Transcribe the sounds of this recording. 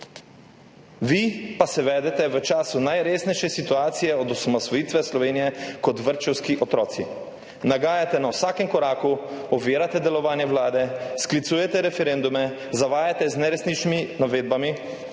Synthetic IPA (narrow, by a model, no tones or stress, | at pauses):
ʋipasɛʋɛːd̪ɛt̪ɛʋət͡ʃaːsunajɾeːsnɛjʃɛsit̪uaːt̪sijɛɔd̪ɔsamɔsʋɔjiːt̪ʋɛslɔʋeːnijɛkɔt̪ʋəɾt͡ʃɛwskiʔɔt̪ɾɔːt̪si | naɡaːjat̪ɛnawsaːkɛmkɔɾaːkuɔʋeːɾat̪ɛd̪ɛlɔʋaːnjɛwlaːd̪ɛsklit̪suːjɛt̪ɛɾɛfɛɾend̪umɛ | zaʋaːjat̪ɛznɛɾɛsnit͡ʃniminaʋeːd̪̚bami